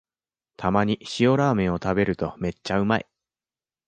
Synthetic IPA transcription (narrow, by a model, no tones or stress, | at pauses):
t̪ʰamaɲ̟iɕio̞ɾaːmẽ̞ɰ̃o̞t̪abe̞ɾɯ̟t̪o̞me̞t͡ɕːaɯ̟maḭ